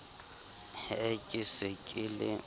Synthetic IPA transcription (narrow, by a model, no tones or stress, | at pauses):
ekʼɪsɪkʼɪlɪ̰